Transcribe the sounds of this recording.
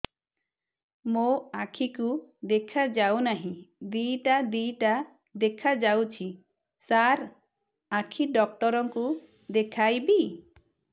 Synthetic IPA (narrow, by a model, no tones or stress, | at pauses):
moakʰikud̪ekʰad͡ʒawnaɦĩd̪ijʈad̪ijʈa | d̪ekʰad͡ʒawt͡ʃʰi | saɾ | akʰiɖɔk̚ʈɔɾɔŋku | d̪ekʰajbi